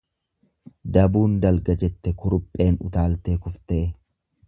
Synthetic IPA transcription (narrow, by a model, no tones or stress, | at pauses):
d̪ɐbuːnd̪ɐlɡɐd͡ʒɛt̪ːɛkʊɾʊpʼːe̞ːnʊ̰t̪aːlt̪e̞ːkʊft̪eː